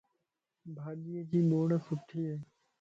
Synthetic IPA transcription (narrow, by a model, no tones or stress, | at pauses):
bʱaːdɪjeːkiːɓoːɽəsʊʈʰːiːɦɛː